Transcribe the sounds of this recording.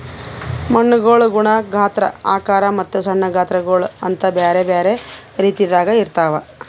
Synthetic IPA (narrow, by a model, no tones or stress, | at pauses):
mɐɳːuɡoːɭuɡuɳɐɡʱaːt̪ɾɐ̰a̰ːkaːɾɐmɐt̪ːusɐɳːɐɡʱaːt̪ɾɐɡoːɭuɐnt̪ɐbeːɾebeːɾe̞ | ɾiːt̪id̪aːɡɐiɾt̪aːʋɐ